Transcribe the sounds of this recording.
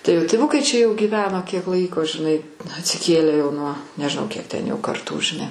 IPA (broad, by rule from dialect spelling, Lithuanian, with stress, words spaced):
tɐɪ joː tʲɪˈʋʊkɐɪ t͡ʃʲɛ joː ɡʲiːˈʋʲæːnoː kʲiɛk ˈlˠɐɪkoː ʒʲɪˈnɐɪ ɐtʲsʲɪˈkʲeːlʲæː jɛʊ ˈnuɔ nʲɛʒʲɪˈnɐʊ ˈkʲiɛk tʲɛn ˈjɛʊ kɐrˈtuː ʒʲɪˈnɐɪ